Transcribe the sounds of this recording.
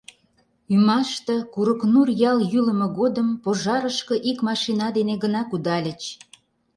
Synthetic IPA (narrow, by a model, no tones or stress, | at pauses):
ymɑʃt̪ə̆kuɾəknurjɑljyləməɣod̪əmpoʒɑɾəʃkə̆ʔikmɑʃinɑd̪eneɣənɑkud̪ɑlʲət͡ɕ